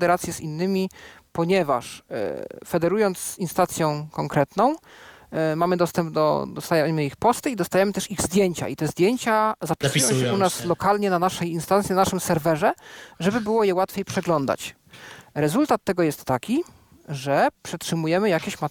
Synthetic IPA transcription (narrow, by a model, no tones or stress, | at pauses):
d̪ɛɾat̪sʲjɛzinːɘmʲipɔɲɛva̰ʂ | fɛd̪ɛɾujɔnt̪sinst̪at̪sʲjɔ̃kɔŋkɾɛt̪nɔ̃w̃ | mamɘd̪ɔst̪ɛmb̚d̪ɔ̰d̪ɔst̪ajɛmɘixpɔst̪ɘid̪ɔst̪ajɛmɘt̪ɛʂiɣzd̪ʲjeɲt͡ɕa̰ʔit̪ɛzd̪ʲjeɲt͡ɕazapʲissãɛunaslɔkalɲɛnanaʂɛjinst̪ant̪sʲjɛnanaʂɘmsɛɾvɛʐɛʐɛbɘbɘwɔjɛwat̪fʲjejpʂɛɡlɔnd̪a̰t͡ɕ | ɾɛzult̪at̪ːɛɡɔjɛst̪ːakʲi | ʐɛpʂɛtʂɘmujɛmɘjakʲeɕma